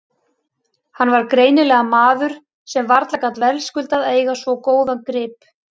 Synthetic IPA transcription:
hanːvaɾkɾeːjnɪlɛɣamaːðʏɾ̥ | sɛmvaɾt̪lakat̪vɛlskʏlt̪aðeːjɣasvɔkoːwðankɾɪːp

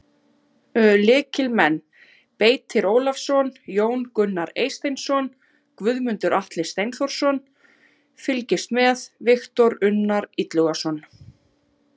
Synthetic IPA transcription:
lɪːcɪlmɛn | peːjt̪ʰɪɾoːwlafsɔnjoːwnkʏnːaɾḛːjst̪ejnsɔn | kvʏðmʏnt̪ʏɾʔaht̪lɪst̪ejnθɔɾ̥sɔn | fɪlcɪst̪mɛðvɪxt̪ɔɾʏnːaɾit̪lʏɣasɔn

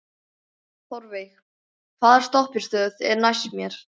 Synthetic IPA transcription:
θɔɾvejx | kʰvaːðɛɾ̥st̪ɔhpɪ̥st̪œːðɛ̰ɾnajsmjɛɾ̥

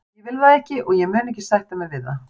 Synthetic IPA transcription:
jɛvɪlvaɛhcɪʔɔɣjɛmœːnɛhcɪsajht̪amɛɾvɪða

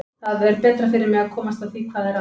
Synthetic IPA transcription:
θaðɛɾpɛːt̪ɾafɪɾɪɾmɛɣaðkʰɔːmast̪aθikʰvaːðɛɾa

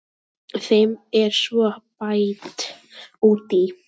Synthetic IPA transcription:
θejmɛɾ̥svɔpajt̪ | uːt̪i

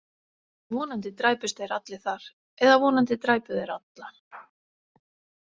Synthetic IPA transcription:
vɔːnant̪ɪt̪ɾaːjpʏst̪eɾat̪lɪθaɾ̥ | ɛðavɔːnant̪ɪt̪ɾaːjpʏðeɾat̪la

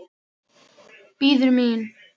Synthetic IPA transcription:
piːðɾmiːn

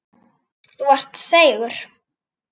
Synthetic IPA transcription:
θuar̥t̪seːjɣʏɾ̥

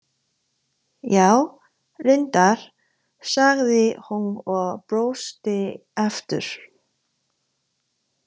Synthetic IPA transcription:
jaːw | rɪnt̪aɾ̥ | saɣðɪhunɔɣpɾoːwst̪ɪ | ɛft̪ʏ̰ɾ̥

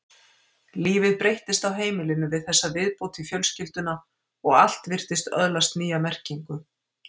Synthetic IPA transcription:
liːvɪðpɾejht̪ɪst̪awɦeːjmɪlɪnʏvɪðθɛsːavɪðpowt̪ʰifjœlscɪl̥t̪ʏna | ɔɣal̥t̪vɪr̥t̪ɪst̪œ̰ðlast̪niːjamɛr̥ciŋkʏ

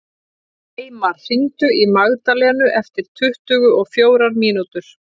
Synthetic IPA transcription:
ejmaɾ̥θint̪ʏimaɣt̪alɛːnʏʔɛft̪ɪɾ̥t̪ʰʏht̪ʏːɣʏʔɔɣfjoːwɾaɾmiːnut̪ʏɾ̥

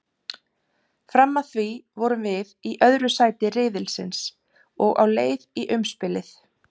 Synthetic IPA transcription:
fɾamːaθvivɔɾʏmvɪðiʔœðɾʏsaːjt̪ɪrɪːðɪlsɪ̰ns | ɔɣa̰wleːjðiʔʏmspɪlɪθ

